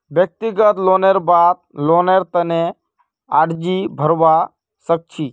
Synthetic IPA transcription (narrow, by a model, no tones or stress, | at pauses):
bjək̚t̪ɪɡət̪loːneɾbaːt̪̚loːneɾt̪əne | aːʈd͡ʒibʱəɾʋa | sək̚t͡ʃʰiː